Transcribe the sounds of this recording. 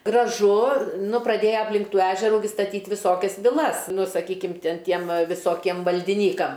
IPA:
ɡrɐˈʒʊ ˈnʊ prɐˈdʲeːjɛ ɐpʲˈlʲɪŋk ˈtuː ˈæːʒʲɛruː ɡʲɪ stɐˈtʲiːtʲ ʋʲɪˈsoːkʲɛs ʋʲɪˈlˠɐs ˈnʊ sɐˈkʲiːkʲɪm ˈtʲɪn ˈtʲiɛm ʋɐ ʋʲɪˈsoːkʲiɛm ʋɐlʲdʲɪˈnʲiːkɐm

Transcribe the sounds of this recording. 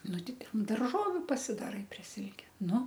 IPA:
ˈnʊ ˈtʲɪ ˈtʲɛn dɐrˈʒoːʋʲʊ pɐsʲɪdɐˈrɐɪ pʲrʲiɛ ˈsʲɪlʲkʲɛ ˈnʊ

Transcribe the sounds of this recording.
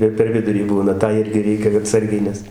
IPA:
ɪr pʲɛr ˈʋʲɪdʊrʲiː ˈbuːnɐ ˈtɑː ˈɪrʲɡʲɪ ˈrʲɛɪkʲɛ ɐˈtsɐrʲɡʲɛɪ ˈnʲɛs

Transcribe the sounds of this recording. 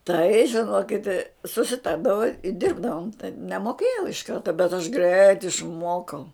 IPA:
tɐɪ ʒʲɪˈnoːkʲɪt sʊsʲɪˈtɐrdɐʋoː ɪ ˈdʲɪrbdɐʋoːm tɐɪp nʲɛmoːˈkʲeːjɛʊ ɪʃ ˈkɐrtɐ bʲɛt ɐʃ ɡrʲɛɪt ɪʃˈmuɔkɐʊ

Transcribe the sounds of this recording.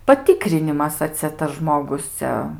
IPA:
pɐˈtʲiːkrʲɪnʲɪmɐs ɐ ˈt͡sʲɛ tɐs ˈʒmoːɡʊs ˈt͡sʲɛ

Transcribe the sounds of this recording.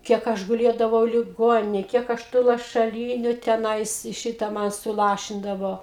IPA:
ˈkʲiɛk ˈɐʃ ɡʊˈlʲeːdɐʋɐʊ lʲɪˈɡoːnʲɪnʲeːj ˈkʲiɛk ˈɐʃ tuː lˠɐʃɐˈlʲiːnʲʊ tʲɛˈnɐɪs ˈʃʲɪtɐ ˈmɐn sʊˈlˠɑːʃʲɪndɐʋoː

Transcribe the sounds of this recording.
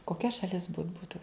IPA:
koːˈkʲɛ ʃɐˈlʲɪs bʊt ˈbuːtʊ

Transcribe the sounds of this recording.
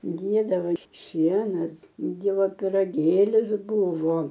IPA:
ˈdʲeːdɐʋoː ɪr ˈʃʲiɛnɐs ˈdʲiɛʋoː pʲɪrɐˈɡʲeːlʲɪs ˈbuːʋoː

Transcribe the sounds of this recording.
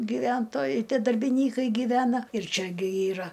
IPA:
ɡʲiːˈʋʲɛntoːjɛɪ ˈtʲiɛ dɐrʲbʲɪˈnʲiːkɐɪ ɡʲiːˈʋʲæːnɐ ɪr ˈt͡ʃʲɛ ɡʲɪ ˈiːrɐ

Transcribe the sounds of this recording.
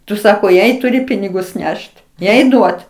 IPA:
ˈtʊ ˈsɑːkoː ˈjɛɪ tʊˈrʲɪ ˈpʲɪnʲɪɡʊs ˈnʲɛʃt ˈjɛɪ ˈduɔt

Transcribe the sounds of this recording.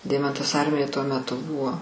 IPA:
ˈdʲɛɪmɐntɐs ˈɐrʲmʲɪjoːj tuɔ mʲɛˈtʊ ˈbʊʋoː

